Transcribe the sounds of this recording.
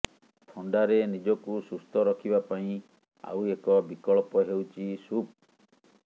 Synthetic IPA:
t̪ʰɔɳɖaɾenid͡ʒɔkusust̪ɔɾɔkʰibapaĩ | a̰wekɔbikɔɭpɔɦewt͡ʃʰisup̚

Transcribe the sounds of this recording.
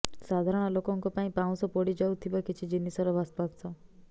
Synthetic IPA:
sad̪ʱaɾɔɽ̃ɔlokɔŋkɔpaĩpãw̃sɔpɔɽid͡ʒaut̪ʰibakit͡ʃʰid͡ʒinisɔɾɔbʱaspat̪sʰɔ

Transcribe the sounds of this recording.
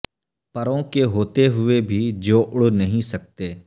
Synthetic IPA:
pɐɾõkeɦoːt̪eɦʊebʱid͡ʒoːʔʊɽnɐɦĩsɐk̚t̪eː

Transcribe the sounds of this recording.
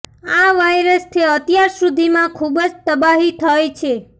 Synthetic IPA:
aʋajɾəst̪ʰeət̪jaɾsud̪ʱimãkʰubəd͡ʒt̪əbaɦit̪ʰəjt͡ʃʰe

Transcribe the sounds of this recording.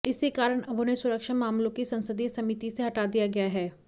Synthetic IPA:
ɪsekaːɾəɽ̃ɐbʱonesʊɾəkʃamaːmlõkisɐ̃nsəd̪ʱisɐmɪt̪iseɦɐʈaːd̪ijaɡɐjaɦɛː

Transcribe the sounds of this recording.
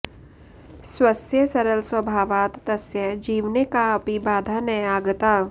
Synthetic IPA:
swɐsjəsɐɾəlswəbʱaːʋaːt̪t̪ɐsjəd͡ʒiːʋnekaɐpibaːd̪ʱanəjaːɡt̪aː

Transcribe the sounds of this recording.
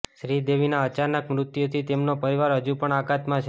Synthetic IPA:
ʃɾid̪eʋinaət͡ʃanəkmɾʊt̪jot̪ʰit̪emnopəɾiʋaɾɦəd͡ʒupəɳaɡat̪mãt͡ʃʰ

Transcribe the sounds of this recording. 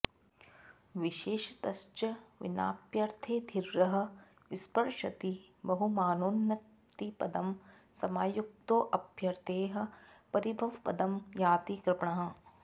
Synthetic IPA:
ʋɪʃeːʃt̪ɐst͡ʃɐʋɪ̰na̰ːpjɐɾt̪ʰeːd̪ʱiɾːɐɦɐ̆ | ʋɪspɐɾʃɐt̪i | bɐɦumaːnoːnjɐ | t̪ipɐd̪ɐm | sɐmaːjuk̚t̪oːʔɐbjɐɾt̪eːɦɐ̆pɐɾibʱɐʋpɐ̰d̪ɐmjaːt̪ikɾɪpɳɐɦɐ̆

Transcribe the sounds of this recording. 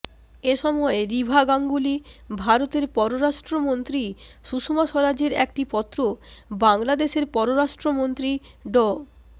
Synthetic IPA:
eʃɔmɔeɾibʱaɡaŋɡulibʱaɾot̪eɾpɔɾoɾaʃʈɾomont̪ɾiʃuʃumaʃɔɾad͡ʑeɾḛk̚ʈipɔt̪ːɾobaŋlad̪eʃeɾpɔɾoɾaʃʈɾomont̪ɾi | ɖɔ

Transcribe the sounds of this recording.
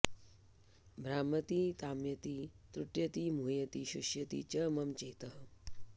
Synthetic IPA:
bʱɾaːmɐt̪it̪aːmjɐt̪it̪ɾuʈjɐt̪imuːjɐt̪iʃuʃjɐt̪ḭt͡ʃɐːmɐmt͡ʃeːt̪ɐɦ

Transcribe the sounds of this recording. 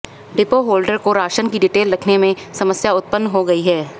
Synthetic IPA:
ɖɪpoɦoːlɖəɾkoɾaːʃənkiɖɪʈeːlɾɐkʰnemẽsɐməsjaʊt̪̚pənːɦoɡɐiɦɛː

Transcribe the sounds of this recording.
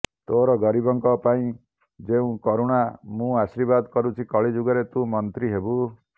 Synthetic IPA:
t̪oɾɔɡɔɾibɔŋkɔpaĩ | d͡ʒeũkɔɾuɽ̃amũasiɾbad̪kɔɾut͡ʃʰikɔɭid͡ʒuɡɔɾet̪ũmɔnt̪ɾiɦebu

